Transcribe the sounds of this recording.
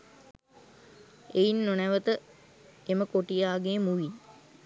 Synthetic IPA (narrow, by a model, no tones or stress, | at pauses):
einːonæʋət̪ə | eməkoʈijaːɡeːmuʋin